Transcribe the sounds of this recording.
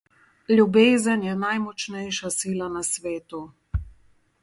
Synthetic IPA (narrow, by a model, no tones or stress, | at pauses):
lʲjubeːzənjɛnajmɔt͡ʃnɛjʃasiːlanasʋeːt̪u